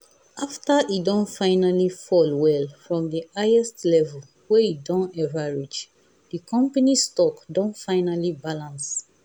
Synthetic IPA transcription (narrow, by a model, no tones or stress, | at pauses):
aftaʔidɔ̃nfãɪnalifɔlwɛlfɹɔ̃mdiaɪɛstlɛvɛl | wɛidɔ̃nɛvaɹid͡ʒ | dikʰɔ̃mpanistɔkdɔ̃nfãɪnalibalãns